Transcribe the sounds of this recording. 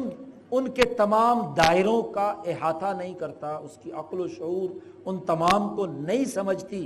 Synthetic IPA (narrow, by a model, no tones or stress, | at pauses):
n | ʊnket̪ɐmaːmd̪aːɪɾõkaɪɦaːt̪ʰanɐɦĩkɐɾt̪aʊskiʔɐqloʃɐɦuːɾ | ʊnt̪ɐmaːmkonɐɦĩsɐməd͡ʒʱt̪i